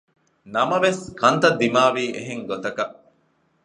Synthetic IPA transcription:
nɐmɐʋeskɐnt̪ɐd̪ːimaːʋiːʔḛɦeŋɡot̪ɐkɐʔ

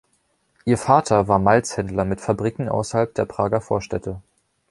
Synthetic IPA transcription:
ʔiːɐfaːtʰɐvaːɐmalt͡shɛndlɐmɪtfabʁiːkŋ̩ʔa̰ʊsɐhalp̚d̥eːɐpʁ̥aːɡɐfoːɐʃtɛtʰə

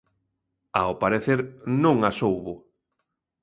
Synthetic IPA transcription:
aopaɾeθeɾnõŋasowβʊ

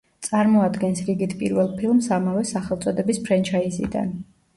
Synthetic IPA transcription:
t̪sʼaɾmɔad̪ɡɛnsɾiɡit̪ʰpʼḭɾvɛlˠpʰilˠmsamavɛsaχɛlˠt̪sʼɔd̪ɛbispʰɾɛnt͡ʃʰaizḭd̪a̰n

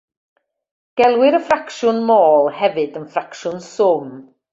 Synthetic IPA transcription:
ɡ̥ɛlˠwɪɾəfrakʃʊnmoːlˠhɛvɨdənfrakʃʊnsʊm

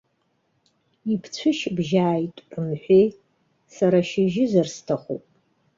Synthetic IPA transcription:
ipʰt͡sʷʰɨʃbʒaːjtʼɨmħʷej | saɾaʃɪʒɪzɨrstʰaχʷo̰pʼ

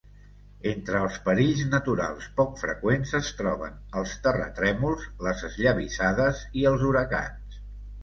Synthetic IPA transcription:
ent̪ɾəːlˠspəɾiʎznət̪uɾa̰lˠspɔkfɾə̰kwenzəst̪ɾɔβ̞ə̰nəlˠst̪ərə̰t̪ɾɛmulˠzləzəzʎəβisaðəziəlˠzuɾəka̰ns

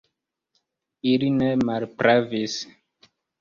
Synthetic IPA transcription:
ilinemalpɾavis

